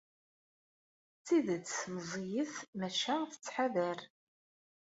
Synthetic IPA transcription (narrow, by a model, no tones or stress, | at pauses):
t͡sːiðət͡sːmzˤijəθmæʃæθə̥t͡sːħaðæɾ